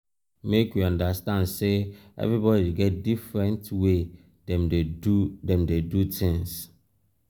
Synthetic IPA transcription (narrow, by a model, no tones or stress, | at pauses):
mekwiãndastãndseʔɛ̰vɹibɔdiɡɛt̚difɹɛ̃ntwe | dɛ̃medɛ̃mdedutʰĩŋs